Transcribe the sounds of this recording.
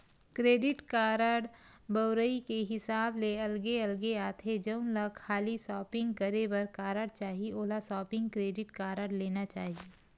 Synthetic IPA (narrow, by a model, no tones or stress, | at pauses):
kɾeːɖɪʈkaːɾəɽbəʊɾəikeɦɪsaːbleɐlɡeɐlɡeaːt̪ʰed͡ʒɐʊnləɡkʰaːlisɔːpɪ̃ŋɡkəɾebɐɾkaːɾəɽt͡ʃaːɦieʔoːlasɔːpɪ̃ŋɡkɾeːɖɪʈkaːɾəɽleːnat͡ʃaːɦie